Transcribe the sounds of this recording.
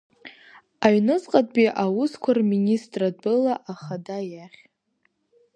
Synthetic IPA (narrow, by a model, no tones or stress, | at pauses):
aɥnɨzqʼad̚biʔawʊskʷʰarminʲistʼrad̚bɨlaʔaχadajaχʲ